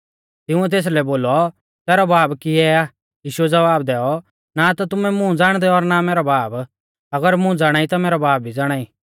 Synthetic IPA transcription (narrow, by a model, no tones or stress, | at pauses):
t̪ɪʊ̃ɛt̪̬eːs̬lɛboːlɔ | t̪ɛːɾɔbaːbkiɛaː | jiːʃuɛd͡zɐʋaːb̚d̪ɛːɔ | nat̪ɔt̪̬ʊmɛmʊ̃d͡zaːɽ̃d̪ɛɔɾnameːɾɔbaːb | ɐɡəɾmʊ̃d͡zaːɽ̃aːit̪ameːɾɔbaːp̚bʱid͡zaːɽ̃aːiː